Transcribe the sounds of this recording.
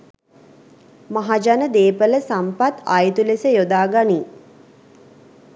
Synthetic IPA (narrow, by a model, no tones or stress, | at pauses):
maɦad͡ʒanəd̪eːpələsampat̪ajt̪ulesəjod̪aːɡani